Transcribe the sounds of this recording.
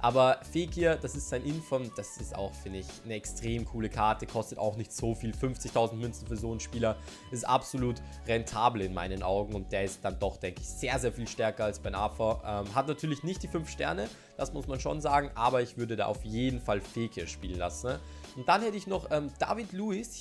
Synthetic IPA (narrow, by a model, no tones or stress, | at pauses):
ʔaːbɐfeːkʰiːɐd̥asɪstz̥aɪnʔɪnfɔmd̥asɪsta̰ʊxfɪndəɪçnəɛkstʁ̥eːmkʰuːləkʰaɐtəkʰɔstəta̰ʊxnɪçtz̥oːfiːlfʏnft͡sɪçtʰaʊzn̩tmʏnt͡sn̩fyːɐzoːnʃpiːlɐ | ɪstʔapz̥oluːt | ʁɛntʰaːbl̩ɪnma̰ɪnənʔa̰ʊɡŋ̩ʊnt̚d̥eːɐɪst̚d̥andɔχd̥ɛŋkəɪçz̥eːɐzeːɐfiːlʃtɛɐkɐalsb̥aɪnʔafɐʔɛːmɦatnatʰyːɐlɪçnɪçt̚d̥iːfʏnfʃtɛ̰ɐnə | d̥asmʊsmanʃo̰ːnzaːɡŋ̩ʔaːbɐɪçv̥ʏɐdəda̰ːʔaʊfjeːdn̩falfeːkʰiɐʃpiːlənla̰sn̩ | ʔʊnt̚d̥anhɛtəɪçnɔχʔɛːmd̥a̰ːvitluːɪs